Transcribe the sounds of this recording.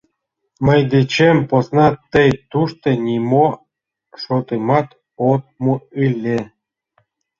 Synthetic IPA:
mə̆jd̪et͡ɕemposnɑt̪ejt̪uʃt̪ɤ̆nʲimo | ʃot̪ɨmɑt̪ | ot̪̚muɯlʲːe

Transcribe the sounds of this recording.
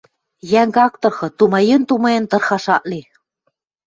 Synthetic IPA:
jæŋɡɑk̚t̪ɤ̆rxɤ̆t̪umɑjənt̪umɤjent̪ɤ̆rxɑʃɑʔle

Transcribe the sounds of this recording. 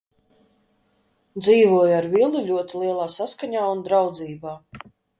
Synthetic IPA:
d̪ziːvuɔjaɾvilˠulʲuɔt̪ilˠiɛlˠaːsaskaɲaːund̪ɾawd̪ziːbaː

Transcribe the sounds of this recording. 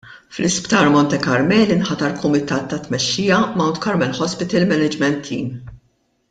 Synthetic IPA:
flɪspt̪ɐːɾmɔnt̪ɛkɐɾmɛːlɪnħɐt̪ɐɾkʊmɪt̪ɐːt̪ːɐt̪ːmɛʃːiːjɐmɐwnt̪kɐɾmɛlħɔspɪt̪ɐlmɛnɛd͡ʒmɛnt̪ʰːḭːm

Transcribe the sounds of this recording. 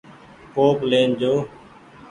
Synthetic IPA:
koːpleːnd͡ʒoː

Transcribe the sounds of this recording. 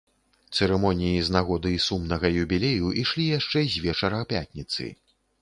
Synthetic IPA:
t̪sɛɾɛmɔnʲijiznaɣɔd̪ɨisumnɐɣɐjubʲilʲejuʔiʂlʲijaʂt͡ʂɛzʲvʲɛt͡ʂɐɾɐpʲat̪ʲnʲit̪sɨ̰

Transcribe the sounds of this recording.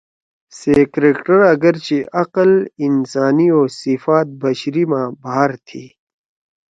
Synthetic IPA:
seːkɾeːkʈəɾɐɡəɾt͡ɕeʔɐqəlɪnsaːnioːsifaːt̪̚bɐɕɾimãːbaːɾt̪ʰiː

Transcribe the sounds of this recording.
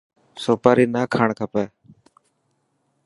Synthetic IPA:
soːpaːɾiːnaːkʰaːɳkʰəpɛː

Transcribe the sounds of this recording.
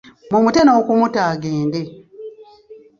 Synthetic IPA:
mumutenoːkumutaːɡeːnde

